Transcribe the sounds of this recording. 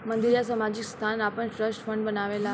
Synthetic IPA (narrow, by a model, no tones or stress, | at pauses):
mənd̪iɾjasəmad͡ʑikst̪ʰanapəɳʈɾəsʈfəɳɖbənaʋela